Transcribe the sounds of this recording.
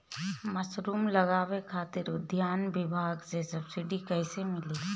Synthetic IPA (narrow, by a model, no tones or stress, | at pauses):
mɐsɾuːmlɐɣaːwekʰaːt̪ɪɾʊd̪ʱjaːnʋɪbʱaːɡsesɐbsɪɖikɛɦɪsemɪleː